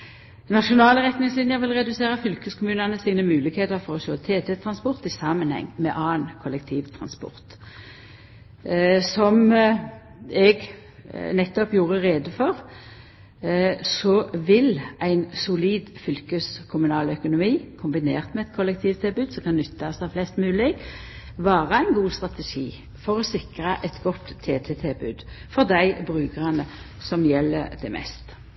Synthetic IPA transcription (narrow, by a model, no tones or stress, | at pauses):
nɑʃʊnɑːləʁɛt̪nɪŋslɪnjəʋɪlʁɛd̪ʉseːʁəfʏlkəskʰʊmʉːnənəsiːnəmʉːlɪɡheːt̪əʁfɔʁɔʃoːt̪ʰeːt̪ʰɛt̪ʰʁɑnspɔʁt̪ɪsɑmənhɛ̰ŋːmɛʔɑːnkʰʊlɛk̚t̪ʰiːʋt̪ʰʁɑ̰nspɔ̰ʁt̪ | sɔm | ɛɡ | nɛt̪ːɔpjuːʁəʁeːd̪əfɔʁ | sɔʋɪlæɪnsʊliːd̪fʏlkəskʰʊmʉnɑːlœkʊnʊmiːkʰʊmbɪneːʁt̪mɛɛt̪̚kʰɔlɛk̚t̪ʰiːʋt̪ʰɪlbʉd̪sɔmkʰɑnnʏt̪ːɑsɑflɛst̪mʉːlɪɡ | ʋɑːʁəæɪnɡuːst̪ʁɑt̪ɛʂḭː | fɔʁɔsɪkɾɑʔɛt̪ɡɔt̪ʰːeːt̪ʰɛt̪ʰɪbʉ̰d̪ | fɔʁd̪æɪbʁʉːkəʁɑnə | sɔmjɛlːəd̪ɛmʔɛ̰st̪